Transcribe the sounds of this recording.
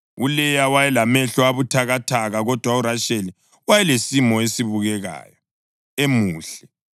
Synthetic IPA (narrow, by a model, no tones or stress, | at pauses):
ulɛjawajɛlamɛɬɔaβutʰaɣatʰaɣaɣɔd̥ʱwauɾaʃeli | wajɛlesimɔesiβuɣɛɣa̰ːjɔ | emuːɬɛ